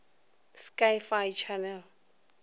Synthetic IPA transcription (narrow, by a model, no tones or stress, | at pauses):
skajfajt͡ʃʰanɛl